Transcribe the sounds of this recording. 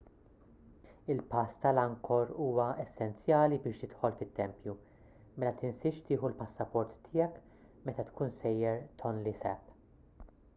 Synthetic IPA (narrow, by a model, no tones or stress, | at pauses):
ɪlpɐst̪ɐlɐŋkʰɔɾuːwɐɛsːɛnt͡sjɐːlibɪːʃt̪ɪt̪ħɔlfɪt̪ːɛmpju | mɛlɐt̪ɪnsɪʃt̪ɪːħulpɐsːɐpɔɾt̪ːɪjɛk | mɛt̪ɐt̪kuːnsɛjːɛɾt̪ʰɔnlisɛ̰pː